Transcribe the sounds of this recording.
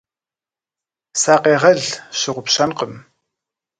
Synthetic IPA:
saːqeːʁɐɮɕɪʁʷʊpɕɐnqəm

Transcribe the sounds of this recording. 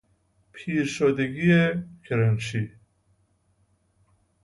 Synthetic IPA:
pʰiːɾʃɔd̪eɡiekʰɪɾɛnʃi

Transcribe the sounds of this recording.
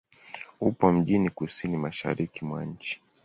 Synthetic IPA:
upɔm̩ʄinikusinimaʃa̰ɾikimwa̰ɲ̩t͡ʃi̥

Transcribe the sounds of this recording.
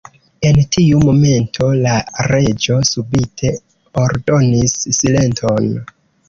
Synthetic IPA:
e̞ntʰiumo̞me̞ntʰo̞laɾe̞d͡ʒo̞subitʰe̞ | oɾdo̞nisːile̞ntʰo̞n

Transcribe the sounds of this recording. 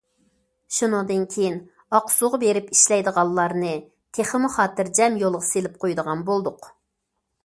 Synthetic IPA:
ʃunɨŋd̪ɨnkʲʰejin | ɑqsuʁɑbeɾɪpiʃlɛjd̪əʁɑlˠːɑɾnɨ | t̪ʰeχɪmuχɑːt̪ɨɾd͡ʒɛmjolˠʁɑselɪp̚qʰojd̪əʁɑnbolˠd̪ʊq

